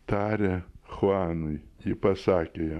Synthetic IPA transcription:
t̪ɑːɾʲexoɑːnʊɪjipɐsɑːkʲeːjɛ

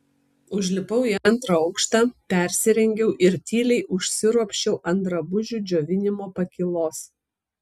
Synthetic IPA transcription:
ʊʒʲlʲɪpɐʊiɐnt̪ɾɐɒʊkʃt̪ɑːpʲɛˑɾʲsʲɪɾʲɛŋʲɡʲɛʊʔɪɾt̪ʲiːlʲɛɪʔʊʃʲsʲɪɾuɔpʲʃʲt͡ʃʲɛʊʔɐnd̪ɾɐbʊʒʲud͡ʒʲoːʋʲɪnʲɪmoːpɐkʲɪlˠoːs

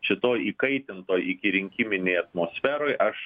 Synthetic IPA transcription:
ʃʲɪt̪oːjiːkɐɪt̪ʲɪnt̪oːjɪkʲɪɾʲɪŋʲkʲɪmʲɪnʲɛjɐt̪moːsʲfʲæːɾoːjʔɐʃ

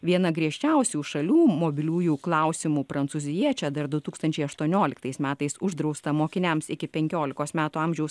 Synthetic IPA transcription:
ʋʲiɛnɐɡɾʲiɛʃʲt͡ʃʲɛʊsʲuːʃɐlʲuːmoːbʲɪlʲuːjuːklˠɐˑʊsʲɪmuːpɾɐnt̪suːzʲɪjiɛt͡ʃʲɛd̪ɐɾd̪ʊt̪uːkst̪ɐnʲt͡ʃʲɛɪɐʃt̪uɔnʲoːlʲɪkt̪ɐɪsmʲæːt̪ɐɪsʊʒd̪ɾɒʊst̪ɐmoːkʲɪnʲɛmsɪkʲɪpʲɛŋʲkʲoːlʲɪkoːsmʲæːt̪uːɑmʲʒʲɛʊs

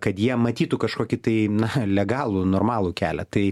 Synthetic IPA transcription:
kɐt̪jiɛmɐt̪ʲiːt̪ukɐʃkoːkʲɪt̪ɐɪnɐlʲɛɡɑːlˠunoːrmɑːlˠukʲæːlʲɛt̪ɐɪ

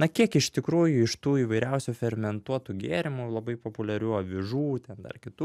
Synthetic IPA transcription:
nɐkʲiɛkɪʃt̪ʲɪkɾuːjʊɪʃt̪uːiːʋɐɪɾʲɛʊsʲufʲɛrmʲɛnt̪uɔt̪uɡʲeːɾʲɪmulˠɐbɐɪpoːpʊlʲɛɾʲuːɐʋʲɪʒuːt̪ʲɛnd̪ɐ̰rkʲɪt̪uː

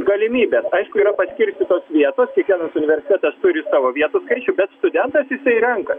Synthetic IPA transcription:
ɡɐlʲɪmʲiːbʲeːsɐɪʃkʊiɾɐpɐsʲkʲɪɾʲsʲt̪ʲiːt̪oːsʋʲiɛt̪oːskʲiɛkʋʲiɛnɐsʊnʲɪʋʲɛɾʲsʲɪt̪ʲɛt̪ɐst̪ʊɾʲɪsɑːʋoːʋʲiɛt̪uskɐɪt͡ʃʲʊbʲɛt̪st̪ʊd̪ʲɛnt̪ɐsjɪsɐɪɾʲɛŋkɐ

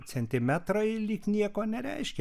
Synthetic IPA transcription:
sʲɛnt̪ʲimʲæt̪rojlʲiknʲiɛkonʲɛɾʲæ̰iʃkʲ

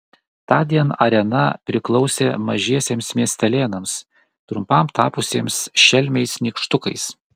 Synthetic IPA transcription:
t̪ɑːd̪ʲiɛnɐɾʲɛnɐpʲɾʲɪklˠɒʊsʲeːmɐʒʲiɛsʲeːmsmʲiɛsʲt̪ʲɛlʲeːnɐms | t̪ɾʊmpɐmt̪ɑːpʊsʲiːmsʃʲɛlʲmʲɛɪsnʲiːkʃt̪ʊkɐɪs

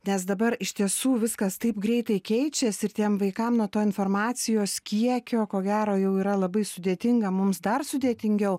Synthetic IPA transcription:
nʲɛsd̪ɐbɐɾɪʃʲt̪ʲiɛsuːʋʲɪskɐst̪ɐɪpɡɾʲɛɪt̪ɐɪkʲɛɪt͡ʃʲɛsɪɾt̪ʲiɛmʋɐɪkɐmnuɔt̪oːɪnfoːɾmɑːt̪sʲɪjoːskʲiɛkʲoːkoːɡʲæːɾoːjɛʊiːɾɐlˠɐbɐɪsʊd̪ʲeːt̪ʲɪŋɡɐmʊmsd̪ɐrsʊd̪ʲeːt̪ʲɪŋʲɡʲɛʊ

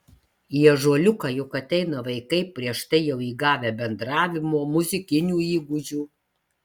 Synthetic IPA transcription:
iɛʒuɔlʲʊkɑːjʊkɐt̪ʲɛɪnɐʋɐɪkɐɪpʲɾʲiɛʃt̪ɐɪjɛʊiːɡɑːʋʲeːbʲɛnd̪ɾɑːʋʲɪmoːmʊzʲɪkʲɪnʲuːiːɡʊd͡ʒʲuː

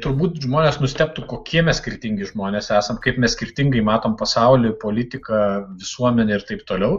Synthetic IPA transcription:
t̪ʊɾbuːt̪ʒmoːnʲeːsnʊsʲt̪ʲɛp̚t̪ukoːkʲʰiɛmʲɛssʲkʲɪrʲt̪ʲɪŋʲɡʲɪʒmoːnʲeːsæːsɐmkɐɪpmʲɛsʲkʲɪrʲt̪ʲɪŋɡɐɪmɑːt̪oːmpɐsɐʊlʲɪpoːlʲɪt̪ʲɪkɐʋʲɪsuɔmʲɛnʲɛɪrt̪ɐɪpt̪oːlʲɛʊ

